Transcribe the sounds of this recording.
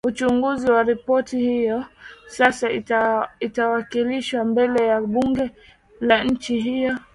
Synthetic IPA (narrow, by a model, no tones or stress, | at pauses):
ut͡ʃuŋɡuziwaɾipɔtihijɔsasa | itawakiliʃwambɛlɛjaɓuŋɡɛ | laɲ̩t͡ʃiɦijɔ